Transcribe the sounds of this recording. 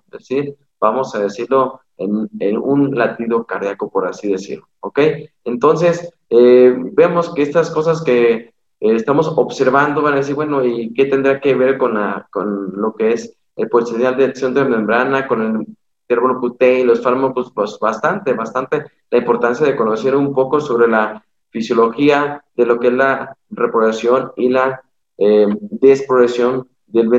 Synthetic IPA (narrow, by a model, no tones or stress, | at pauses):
esiɾ | b̥amo̞saðe̞siɾlo̞ | enenunlat̪iðo̞kaɾðjakopo̞ɾasiðe̞sḭɾlooke̞j | e̞nt̪o̞ns̬e̞s | ebe̞mo̞ske̞est̪asko̞s̬aske̞ː | st̪amo̞so̞βse̞ɾβand̪o̞βanaðesiɾβwe̞no̞ike̞t̪e̞nd̪ɾake̞βe̞ɾko̞nlako̰nlo̞ke̞es | elposenjald̪esjont̪ɾemẽmbɾanako̞nel | t̪eɾβoloput̪elo̞sfaɾmakosposbast̪ant̪e̞βast̪ant̪e̞ | laimpo̞ɾt̪ansjaðe̞ko̞nose̞ɾumpo̞ko̞so̞βɾe̞la | fisjo̞lo̞xiaðe̞lo̞kee̞zlarepɾoβasjo̞nila | ed̪e̞spɾoβesjo̞n | d̪elβe